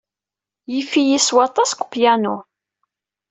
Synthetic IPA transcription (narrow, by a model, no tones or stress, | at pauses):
jifijiswɑt̪ˤɑskʷpjænu